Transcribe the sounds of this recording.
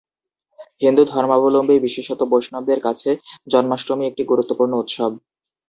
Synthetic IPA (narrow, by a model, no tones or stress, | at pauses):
hind̪ud̪ʱɔɾmabolombebiʃeʃot̪obojʃnɔb̚d̪eɾkat͡ɕʰed͡ʑɔnmaʃɾomiek̚ʈiɡuɾut̪ːopuɾnout̪ʃob̚